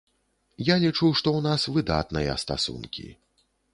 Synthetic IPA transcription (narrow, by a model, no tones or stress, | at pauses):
jalʲit͡ʂuʂt̪ɔwnasvɨd̪a̰t̪nɨjɐ̰st̪a̰sṵnkʲḭ